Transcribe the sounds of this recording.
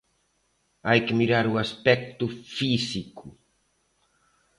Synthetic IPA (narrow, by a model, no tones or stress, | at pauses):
ajkɪmiɾaɾuaspɛk̚t̪ufisiku